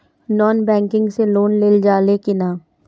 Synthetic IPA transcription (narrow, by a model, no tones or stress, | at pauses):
nɔːnbɛ̃ːŋkɪ̃ŋɡseloːnleːld͡ʒaːlekɪnaː